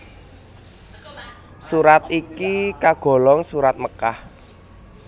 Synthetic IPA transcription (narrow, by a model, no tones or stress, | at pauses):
suɾat̪ikikaɡ̥ɔ̤lɔŋsuɾat̪̚məkah